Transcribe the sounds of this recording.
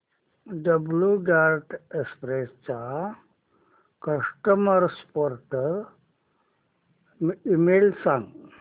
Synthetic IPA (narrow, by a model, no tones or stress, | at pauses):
ɖəbljuɖaɾʈʰespɾest͡ɕa | kəʂʈəməɾspoɾʈəɾ | imelsãŋɡ